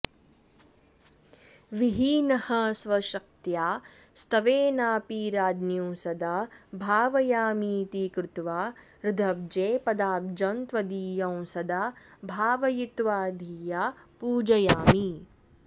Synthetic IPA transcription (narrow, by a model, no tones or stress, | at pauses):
ʋiɦiːnɐhɐsʋɐʃɐk̚t̪jaː | st̪ɐʋeːnaːpiːɾaːdnjũːsɐd̪aːbʱaːʋɐjaːmiːt̪ikɾɪt̪ʋaː | ɾɪd̪ʱɐb̚d͡ʒeːpɐd̪aːb̚d͡ʒɐnt̪ʋɐd̪iːjɐ̃w̃sɐd̪aːbʱaːʋɐjit̪ʋaːd̪ʱiːjaːpuːd͡ʒɐjaːmi